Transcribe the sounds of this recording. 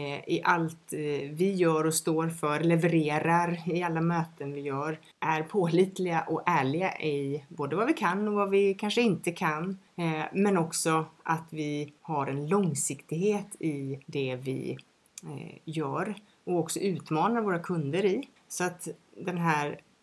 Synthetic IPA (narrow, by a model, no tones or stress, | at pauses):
ɪʔalt̪vɪjœːɾɔst̪oːɾfœɾlɛvəɾeːɾaɾɪalːamøːt̪ənvɪjœːɾ | ʔæɾpʰoːliːt̪lɪɡaʔɔæːɭɪɡaʔɪboːd̪əvavɪkʰanːɔvavɪkʰanʂəɪnt̪əkʰan | mɛnɔksɔʔat̪vɪhaɾɛnlɔŋsɪkt̪ɪɡheːt̪ʰɪd̪ɛvɪ̰ | jœːɾ | ɔkɔksɔʉ̟ːt̪mɑːnaɾvoːɾakʰɵnd̪əɾɪ | sɔat̪d̪ɛnɦæːɾ